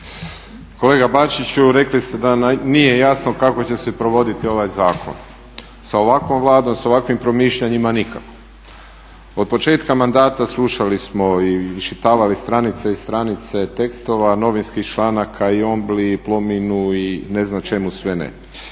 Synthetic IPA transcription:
ko̞le̞ːɡabat͡ʃit͡ɕuɾe̞klist̪e̞d̪anije̞jasno̞kako̞t͡ɕe̞sepɾo̞ʋo̞d̪it̪io̞ʋajzaːkʰo̰n | sao̞ʋakʋo̞mʋlˠaːd̪o̞mso̞ʋakʋimpɾo̞miːʃʎaɲimanikako̥ | od̪̚po̞t͡ʃe̞ːt̪kamand̪aːt̪aslˠuʃalismo̞iʃit̪aːʋalist̪ɾanit̪seist̪ɾanit̪se̞t̪e̞kst̪o̞ʋano̞ʋinskixt͡ʃlaːnakʰaio̞mbliplo̞minuine̞znat͡ʃe̞musʋe̞nḛ

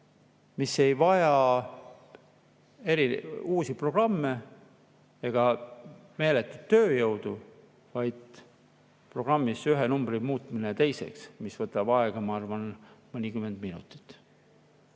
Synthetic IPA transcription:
mise̞jvɑjɑ | e̞ɾiuːsipro̞ɡ̥rɑmːe̞ | eɡ̥ɑme̞ːle̞t̪ːˑud̪̚t̪ːø̞ːjɤwd̪̥u | vɑjd̪̥ | pro̞ɡ̥rɑmːisyɦenumbrimuːt̪ˑminet̪e̞jse̞̰ksmisvɤt̪ːˑɑb̥ɑeɡ̥ɑmɑɑrvɑnmɤnʲikyme̞nd̪̥minṵt̪ˑi̥t̪ːˑ

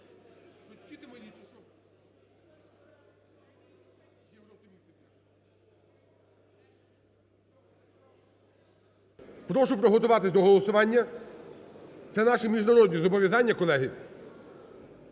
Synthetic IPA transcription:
t͡ʃɔtʲtʲit̪ɪmɔnʲit͡ʃeʃɔ | jewɾɔp̚t̪ɪmʲist̪ɪ | pɾɔʃʊpɾɔɦɔt̪ʊʋɑt̪ɪsʲd̪ɔɦɔlˠɔsʊʋɑnʲːɐ | t̪sɛnɑʃimʲiʒnɐɾɔd̪ʲnʲizɔbɔʋʲjɐzɑnʲːɐkɔlˠɛɦɪ

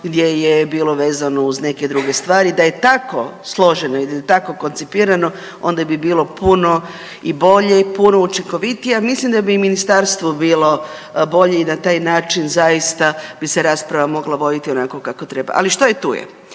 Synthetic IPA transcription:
ɡd̪je̞jebiːlˠo̞ʋe̞ːzano̞uzne̞ke̞d̪ɾuɡe̞st̪ʋaːɾid̪aje̞t̪ako̞̰slˠo̞ʒenoid̪ajet̪ako̞ko̞nt̪sipiːɾano̞ | o̞̰nd̪abibiːlo̞puno̞ | ibo̞ʎe̞puno̞ut͡ʃiŋko̞ʋit̪ijamislimd̪abiminist̪aɾst̪ʋobiːlo̞ | bo̞ʎe̞inat̪aːjnaːt͡ʃinzajist̪ab̥ise̞ɾaːspɾaʋamo̞ɡlˠaʋo̞d̪it̪ionako̞kako̞t̪ɾe̞ba̰ʔa̰liʃt̪ojet̪ṵːjḛ

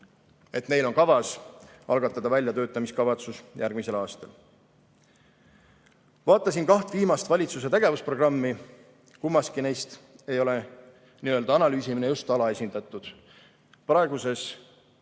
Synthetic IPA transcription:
e̞t̪ne̞jlo̞nkɑvɑsɑlɡ̥ɑt̪ːˑɑd̪ɑvælʲjɑt̪ø̞ːt̪ːˑɑmiskɑvɑt̪susjærɡ̥mise̞lɑːst̪ɑl | vɑːt̪ːˑɑs̬inkɑht̪viːmɑst̪vɑlʲit̪sus̬e̞t̪e̞ɡ̥e̞vuspro̞ɡ̥rɑmːi | kumːɑskine̞jst̪e̞jo̞le̞ | niːø̞ld̪̥ɑɑnɑlyːsʲiminejust̪ɑlɑe̞sʲind̪ɑt̪ːˑud̪̥ | prɑeɡ̥use̞s

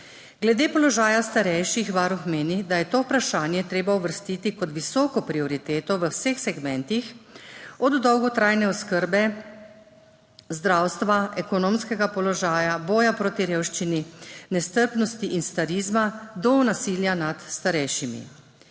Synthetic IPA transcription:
ɡlɛd̪eːpɔlɔʒaːjast̪aɾɛjʃixʋaːɾuxmeːnid̪ajɛt̪oːupɾaʃaːnjɛt̪ɾeːbauʋəɾst̪iːt̪ikɔt̪ʋisɔːkɔpɾiɔɾit̪eːt̪ɔʋəwsexsɛɡmɛ̃nt̪ix | ɔd̪ːɔwɡɔt̪ɾajnɛɔskəɾbɛ | zd̪ɾawst̪ʋaʔɛkɔnoːmskɛɡapɔlɔʒaːjabɔːjapɾoːt̪iɾeːwʃt͡ʃininɛst̪əɾpnɔst̪iʔinst̪aɾizmad̪ɔnasiːljanat̪st̪aɾɛjʃimḭ

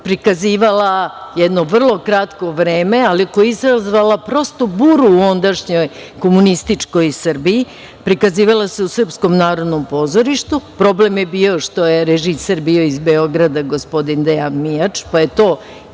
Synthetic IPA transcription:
pɾikaziːʋalajɛd̪no̞ʋr̩lˠo̞kɾat̪ko̞ʋɾe̞ːme̞alikojeizɾazʋalapɾo̞st̪o̞buːɾuːo̞nd̪aʃɲo̞jko̞munist̪it͡ʂko̞jsr̩bii | pɾikaziːʋalase̞usr̩psko̞mnaːɾo̞d̪no̞mpo̞ːzo̞ɾiʃt̪upɾo̞ble̞mjebiːo̞ʂt̪o̞je̞ɾeʒiseɾbio̞izbeoɡɾad̪aɡospo̞d̪ind̪ejanmijat͡ʃpaje̞t̪o̞ː

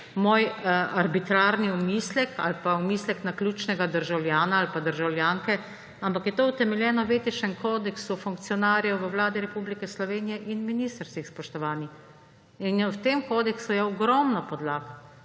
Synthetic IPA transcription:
moːjaɾbit̪ɾaːɾniɔmiːslɛka̰lpaɔmiːslɛknaklʲjuːt͡ʃnɛɡad̪əɾʒawlʲjaːnaːlpad̪əɾʒawljaːŋkɛ | ampakjɛt̪out̪ɛmɛljɛːnɔʋeːt̪iʃɛŋkoːd̪ɛksufuŋk̚t̪sijɔnaːɾjɛwʋəwlaːd̪iɾɛpublikɛslɔʋeːnijɛʔinminiːst̪əɾst̪ʋixspɔʃt̪ɔʋaːnix | inwt̪emkoːd̪ɛksujɛɔɡɾɔmnɔpɔd̪laːɡ

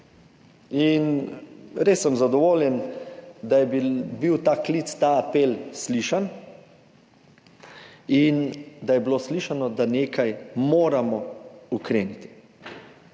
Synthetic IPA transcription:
in | ɾeːsːɛmzad̪ɔʋoːljɛnd̪ajɛbibiwt̪aːklit̪st̪aːapelsliʃan | ind̪ajɛbiloːsliʃanɔd̪aneːkʰajmoːɾamɔukɾeːnit̪i̥

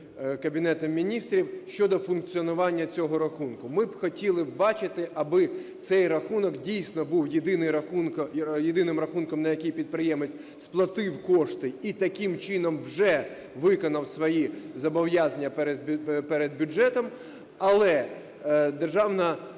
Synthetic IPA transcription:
kɐbʲinɛt̪ɔmʲːinʲist̪ɾʲiwʃt͡ʃɔd̪ɔfʊnk̚t͡sʲiɔnʊʋɑnʲːɐt͡sʲɔɦɔɾɐxunkʊmɪbxɔtʲilˠɪbbɑt͡ʃɪt̪ɪʔɐbɪt̪sɛjrɐxunɔkdʲijsʲnɔbuwjɪd̪ɪnɪjɾɐxunkjɪd̪ɪnɪmrɐxunkɔmnɐjɐkʲijpʲid̪̚pɾɪjɛmet͡sʲ | splˠɐt̪ɪwkɔʂt̪ɪit̪ɐkɪmt͡ʃɪnɔmwʒɛ | ʋɪkɔnɐwsʋɔjizɐbɔwjazɐnʲɐpɛɾʲpɛɾɛd̪̚bʲʊd͡ʒɛt̪ɔm | ɐlˠɛ | d̪erʒɑwnɐ

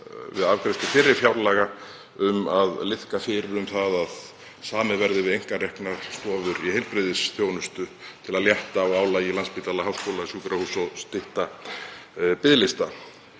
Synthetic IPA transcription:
vɪ̰ðavkɾest̪ʏfɪɾːɪɾ̥fjawɾlɛɣa | ʏmaðlɪθkafɪɾɪɾʏmθaðað | saːmɪvɛɾðɪvɪðejŋ̥karɛhknaɾ̥st̪ɔːvʏɾihejlpɾɪðɪsθjoːwnʏst̪ʏt̪ʰɪlaðljɛht̪aɔɣaːwlailanspɪt̪alaɦawskowlasjuːkɾahusɔst̪ɪht̪a | pɪðlɪst̪a

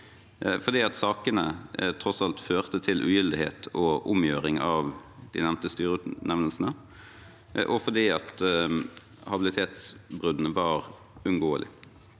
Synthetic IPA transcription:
fɔʁd̪iːɑt̪sɑːkənət̪ʰɾɔsɑlt̪føːʁt̪ət̪ʰɪlʔʉ̰ːjʏld̪ɪhḛːt̪ʰɔʔʊmjøːɾɪŋɑʋd̪̥ɪ̰nɛmt̪əst̪yːʁəʉt̪nɛʋnəlsənə | ʔɔfɔd̪iːɑt̪ | hɑbɪlɪt̪ʰeːt̪sbʁʉd̪n̩əʋɑːʁ | ʉnɡoːəlʔɪ̰

